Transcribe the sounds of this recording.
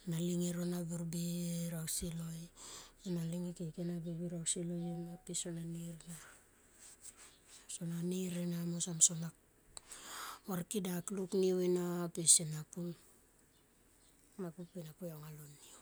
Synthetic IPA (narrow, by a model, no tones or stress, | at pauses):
naliŋiɾonabiɾbiɾawsilo̞jinaliŋikekenabibiɾawsilojinapisonaniɾna | sonaniɾinamosamsonak | waɾkidaklukniwinapisinapun | napupinapujoŋalonːio